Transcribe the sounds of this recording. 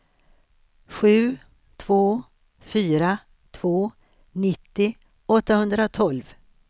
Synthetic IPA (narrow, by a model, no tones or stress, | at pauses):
ɧʉ̟ː | t̪ʰvoː | fyːɾa | t̪ʰv̥oː | nɪt̪ːɪ | ɔt̪ːahɵnd̪ɾat̪ʰɔlv